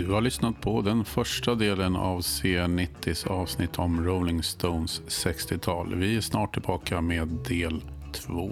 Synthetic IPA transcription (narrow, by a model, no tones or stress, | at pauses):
d̪ɵhaɭʏsnat̪̚pʰɔd̪ɛnfœʂʈad̪eːləna̰vseːnɪt̪ʰːɪsɑːvsnɪt̪ʰːɔmɾoʊlɪŋst̪onsːɛkst̪ɪt̪ʰɑːlvɪæʂnɑːʈʰːɪlbɑːkameːd̪ːeːlt̪ʰvoː